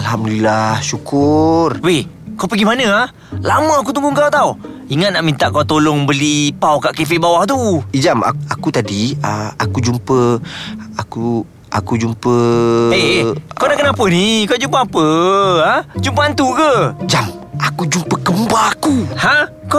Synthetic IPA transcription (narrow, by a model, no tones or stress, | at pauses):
alhamdlilahsukʊrwe | kawpəɡimanə̃ah | laməak̬ut̪uŋɡuŋkauwt̪au | iŋat̪̚naʔmint̪aʔkawt̪olɔŋbəlipawkaʔkefebawaht̪uid͡ʒama̰akut̪adiəakud͡ʒumpə | aku | ʔa̰kud͡ʒumpəekanaʔkənapənikad͡ʒumpəapəad͡ʒumpəant̪uʔkəd͡ʒamakud͡ʒumpəkəmbaːkuhã | ka